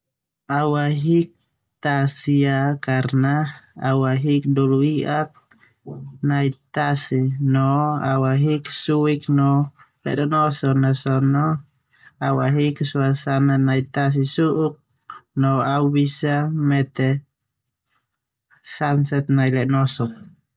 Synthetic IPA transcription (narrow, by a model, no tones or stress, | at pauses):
awaɦik̚ | t̪asiakaɾnaawaɦikduluiʔak̪̚ | najt̪asinɔawaɦiksuiknɔ | lɛ̰danɔsɔnasono | awaɦiksuasananajt̪as̬isuʔuk̚ | noabisamɛt̪ɛ | sansɛt̪̚najlenosɔk̚